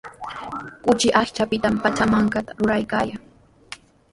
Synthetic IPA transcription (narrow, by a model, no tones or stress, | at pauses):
kʊt͡ʃɪʔaχt͡ʃapɪt̪ampat͡ʃamaŋkat̪ḁɾʊɾajkaːjaŋ